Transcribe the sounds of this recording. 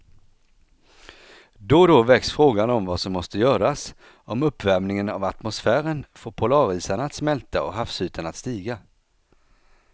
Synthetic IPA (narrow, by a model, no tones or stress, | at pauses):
d̪ɔd̪ɔvɛksfɾoːɡanɔmvasɔmːɔst̪əjœːɾas | ʔɔmɵpːvæɾmnɪŋənavat̪mʊsfæːɾənfoːɾpʰʊlɑːɾiːsaɳaːt̪smɛlt̪aɔ̰ɦafsʉ̟ːt̪ʰənat̪st̪iːɡa